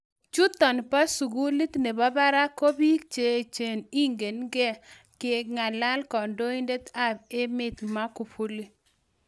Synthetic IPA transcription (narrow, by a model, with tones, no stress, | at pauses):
t͡ʃu˦t̪ɔ˨npa˦su˨ɡu˦li˦t̪ne˨ba˦ba˦ɾa˦ko˦bi˦k̚t͡ʃe˨t͡ʃe˨ni˦ŋɡe˨nɡɛ˦ | kɪ˨˦k̚ŋa˨la˦lkɔ˨ndo˦i˦nde˦t̪a˦b̚e˦mɪ˦t̪ma˦ku˨pʰu˦li˦